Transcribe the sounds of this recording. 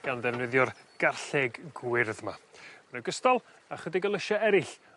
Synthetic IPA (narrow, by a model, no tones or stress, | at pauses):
ɡ̥andɛvnəðjɔrɡ̥arɬɛɡɡwɪrðmamənəɡəstɔlˠ | aχədɪɡəlˠəʃaɛɾɪɬ